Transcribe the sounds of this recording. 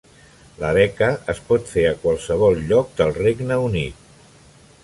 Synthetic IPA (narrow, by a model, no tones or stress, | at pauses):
ləβɛkəəspɔt̪feəkwalˠsəβɔlˠʎɔk̚d̪əlˠreɡnəunit̪̚